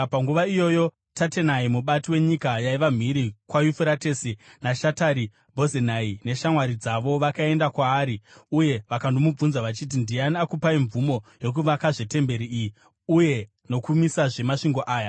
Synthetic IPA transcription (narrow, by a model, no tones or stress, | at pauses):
paŋɡuʋaijo̞jo̞ | tate̞naimuɓatiwe̞ɲikajaiʋam̤iɾikwajufeɾate̞sinaʃataɾi | bʱo̞zenaine̞ʃamwaɾid͡zaʋo̞ʋakae̞ndakwaːɾiuje̞ʋakandomub͡vunzaʋat͡ʃit̬indianiakupaiɱvumo̞jo̞k̬uʋakaʐe̞te̞mbe̞ɾiiji | uje̞ | no̞kumisaʐe̞maʂiŋɡo̞ʔaːja